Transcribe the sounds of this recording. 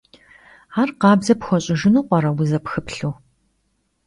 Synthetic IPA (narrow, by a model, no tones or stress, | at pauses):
arqɑːbzɐpxʷɔɕʼɪʒɪnuːqʷɔɾɐwʊzɐpxɨpɬuː